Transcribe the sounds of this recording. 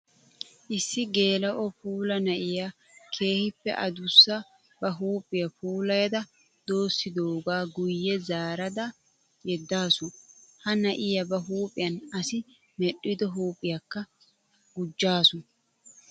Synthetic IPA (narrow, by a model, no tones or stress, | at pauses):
ʔɪsːɪɡe̞ːlɐʔɔpuːlɐnɐʔɪja | kʰe̞ːhɪpːɛ̰ʔɐd̪ʊsːɐ | bɐɦuːpʼːɪjɐpuːlɐjɐd̪ɐ | d̪o̞ːsːɪd̪oɡaːɡʊjːɛzaːɾɐd̪ɐ | jɛd̪ːaːsʊhɐnɐʔɪjɐbɐɦuːpʼɪjɐnɐsɪ | mɛɗɪd̪ɔɦuːpʼɪjɐkːɐ | ɡʊd͡ʒːaːsʊ